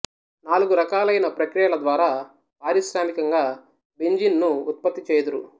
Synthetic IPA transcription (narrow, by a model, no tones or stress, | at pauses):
naːluɡuɾɐkaːlɐjnɐpɾɐkɾijɐlɐd̪ʋaːɾaː | paːɾiʃɾaːmikɐŋɡaː | beɲd͡ʒinːuːt̪̚pɐt̪ːit͡ʃeːd̪uɾṵ